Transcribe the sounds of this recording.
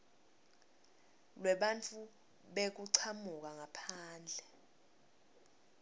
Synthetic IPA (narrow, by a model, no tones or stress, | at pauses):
lwɛɓant͡fʰʼu | ɓek̬uǀʰamuk̬aŋapʰaːnd͡ɮʱɛ